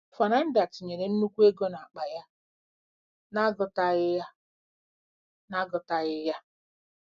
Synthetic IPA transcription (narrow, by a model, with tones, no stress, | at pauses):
fa˨na˦n̩˦da˨ti˨ɲe˨ɾe˨n̩˦nu˦kʷu˦e˦ɡo˦na˨a˨k͡pa˨ja˦ | na˦ɡʊ˨ta˦ɣɪ˦ja˦ | na˦ɡʊ˨ta˦ɣɪ˦ja˦